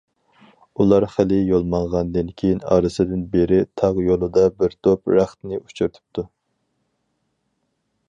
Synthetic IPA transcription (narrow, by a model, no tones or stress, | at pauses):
ulˠɑɾχɪlɪjolˠmɑɴʁɑnd̪ɨnkʲʰejinɑ̰ːɾɨsɨd̪ɪnbeɾɪt̪ʰɑʁjolˠɨd̪ɑbɪɾt̪ʰopɾæχt̪nɪut͡ʃʰuɾt̪ʰɨ̥p̚t̪ʰu